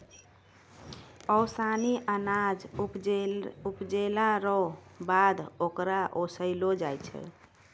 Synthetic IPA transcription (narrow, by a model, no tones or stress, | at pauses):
əwsaniʔənad͡ʒpupd͡ʒelaɾɔbad̪okɾaʔosəɪlod͡ʒajt͡ʃʰɛ̰